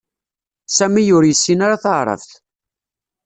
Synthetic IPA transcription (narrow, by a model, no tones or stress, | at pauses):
sæmijʊɾjəsːinaɾaθəʁɾˤə̰vθ